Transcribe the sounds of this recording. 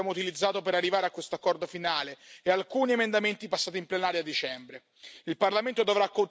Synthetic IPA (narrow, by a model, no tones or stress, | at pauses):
jaːmout̪ilid̪zːaːt̪opeɾarːivaːɾeakwest̪oakːɔrd̪ofinaːleealkuːniemend̪ament̪ipasːaːt̪implenaːɾjad̪ːit͡ʃɛmbɾe | ilparlament̪od̪ovɾakːon